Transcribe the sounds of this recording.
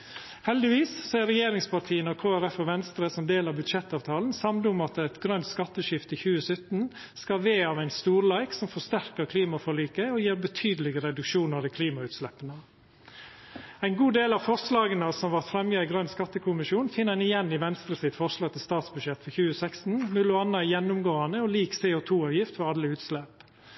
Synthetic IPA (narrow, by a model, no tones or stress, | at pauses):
hɛld̪ɪʋiːssɛɪɾɛjeːɾɪŋspɑɾʈ̪ʰiːənəɔkʰoːæɾɛfɔʋɛnst̪ɾəsɔmd̪eːlɑʋbʉd̪ʃɛt̪ːɑːʋt̪ʰɑːln̩sɑmd̪əʊmɑt̪ɛt̪ɡɾœnt̪skɑt̪ːəʃɪft̪ɪçʉːəsœt̪n̩ | skɑʋeːɑːʋæɪnst̪uːɾlæɪksɔmfɔʂt̪æɾkəɾkʰliːmɑfɔɭiːkəɔjiːɾbət̪ʰyːd̪əl̩ɪɡəɾɛd̪ʉkʃuːnɑʋd̪iːkʰliːmɑʉːt̪slɛpːənə | æɪnɡuːd̪eːlɑʋfɔɾslɑːɡənəsɔmʋɑɾt̪fɾɛmjɑɪɡɾœnskɑt̪ːəkʰʊmɪʃjuːnfɪnːæɪnɪjɛnːɪʋɛnst̪ɾəsɪt̪fɔɾʂlɑːɡ̚t̪ʰɪlst̪ɑːt̪sbʉd̪ʂjɛt̪fɔçʉːəsækst̪n̩mʉlʉɑnːəæjɛnːʊmɡoːɑnəɔliːkseːʊt̪ʰuːɑʋjɪft̪fɔɾɑlːəʉːt̪slɛp